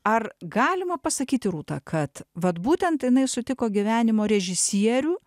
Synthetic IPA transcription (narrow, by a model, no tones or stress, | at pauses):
ɐrɡɑːlʲɪmɐpɐsɐkʲiːt̪ʲɪɾuːt̪ɑ̰ːkʰɐt̪ʋɐt̪buːt̪ʲɛnt̪jɪnɐɪsʊt̪ʲɪkoːɡʲiʋʲæːnʲɪmoːɾʲɛʒʲɪsʲiɛɾʲuː